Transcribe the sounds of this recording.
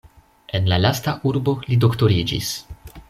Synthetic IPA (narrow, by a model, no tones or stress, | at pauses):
e̞nlalastaʔuɾbo̞lido̞kto̞ɾid͡ʒḭs